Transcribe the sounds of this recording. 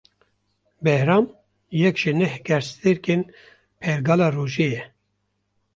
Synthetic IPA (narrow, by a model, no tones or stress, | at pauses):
bɛhɾɑːm | jɛkʒ̥ɪnɛhɡɛɾst̪eɾkeːn | pʰɛɾɡɑːlɑːroːʒeːjɛ